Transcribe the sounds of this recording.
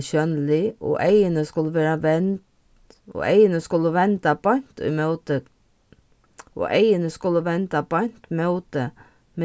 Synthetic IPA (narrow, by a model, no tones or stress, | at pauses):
ʃœnlɪʔo̰ːʔæɪənəskʉlːəʋeːɾɑʋɛnt̪ | o̰ːʔæɪənəskʉlːəʋɛnt̪ɑbɑnt̪ɪ̰moːt̪ə | ʔo̰ːʔæɪənəskʉlːəʋɛnt̪ɑpɑnt̪moːt̪ə | me